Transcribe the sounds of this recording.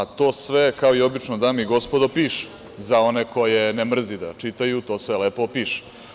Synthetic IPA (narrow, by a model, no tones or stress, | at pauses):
at̪o̞ːsʋe̞kao̞io̞bit͡ʃnod̪amiɡo̞spod̪o̞piːʃ | zao̞ne̞ko̞jenemr̩zid̪a̰t͡ʃit̪ajut̪o̞ːsʋeleːpopiːʃe̥